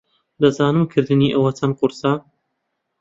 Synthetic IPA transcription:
d̪ɐzaːnɨmkʰɨɾd̪ɨniːʔɐwɐt͡sʰɐnqʊɾsa

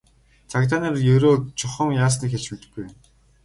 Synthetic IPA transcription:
t͡sʰakt̪aːnaːrjɵɾoːt͡ɕʰʊχə̆mjaːs̬niːkxʲeɮt͡ɕut̪ɘ̥̆ɡɡuj

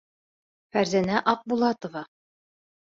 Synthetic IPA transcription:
fæɾzænæʔɑq̚bulˠɑt̪ŏvɑ

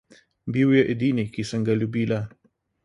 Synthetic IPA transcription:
biwjɐʔɪd̪ʲinʲikʲisɐŋɡɐlʲubiːla

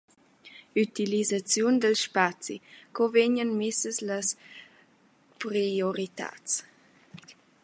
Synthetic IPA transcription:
yt̪ilizat͡sjund̪əlʃpat͡sikɔveɲənmisəsləs | pɾioɾit̪a̰t͡s

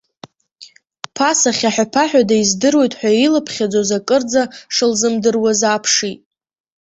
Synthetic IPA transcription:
pʰasaχʲaħapʰaħʷᶣadaizdɨrwe̞jtʼħʷᶣailɨpʰχʲad͡zozakʼɨrd͡zaʂɨlzɨmdɨrwazapʰʂitʼ

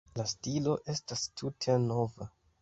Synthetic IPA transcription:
lastilo̞ʔe̞stastʰutʰe̞no̞va

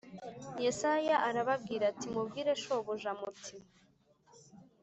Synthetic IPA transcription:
jesajaʔaɾaβab̚ɡiːɾatimub̚ɡiːɾe̞ʃoβoʒamuti

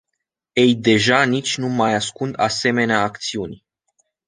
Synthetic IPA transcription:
e̞jd̪e̞ʒanit͡ʃʲnumajaskund̪ase̞me̞neaːkt̪siunʲ

